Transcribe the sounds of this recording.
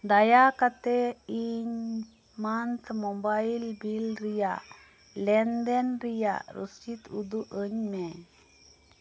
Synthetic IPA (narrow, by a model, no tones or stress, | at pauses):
d̪ajakat̪ɛiɲ | mant̪ʰmɔbajlbilɾijaʔ | lɛnd̪ɛnɾija̰ʔɾṵst͡ʃit̪ud̪uʔəɲmɛ